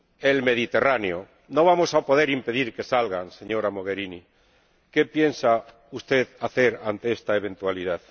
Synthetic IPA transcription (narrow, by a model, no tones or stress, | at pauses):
elme̞ðit̪e̞raneo | noβamosapo̞ð̞eɾimpe̞ðiɾke̞salɣanseɲoɾamoɣ̞eɾini | kepjensa | ust̪eðaθeɾant̪eest̪aeβ̞e̞nt̪walið̞að